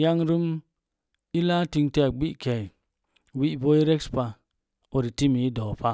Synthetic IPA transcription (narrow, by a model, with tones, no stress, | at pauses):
ja˦ŋɾu˦m | i˦la˦ti˧ŋte˦˨ɡ͡bi˦ʔkʰe˨ | wi˦ʔbo˦i˦ɾe˦kspa˧ | o˨ɾi˨ti˦mi˨i˦do˨pa˦